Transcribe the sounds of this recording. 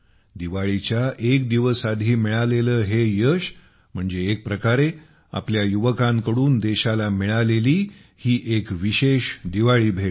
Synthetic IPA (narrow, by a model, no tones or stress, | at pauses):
d̪iʋaɭit͡ɕjaʔekd̪iʋəsad̪ʱiːmiɭaleləːɦejəɕ | m̤əɳd͡zeːk̚pɾəkaɾe | a̰pljajuʋəkãŋkəɽuːnd̪eɕalamiɭaleliː | hiːʔekʋiɕeɕd̪iʋaɭiːbʱeʈ